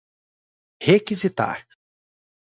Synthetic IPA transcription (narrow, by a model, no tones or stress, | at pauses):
hekizit̪a̰ɾ